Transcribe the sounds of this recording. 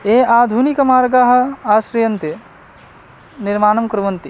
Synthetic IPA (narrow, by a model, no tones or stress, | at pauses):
eːaːd̪ʱunikɐmaːɾɡaːɦɐ̆aːsɾijɐnt̪e | niɾmaːnɐmkɾuʋɐnt̪i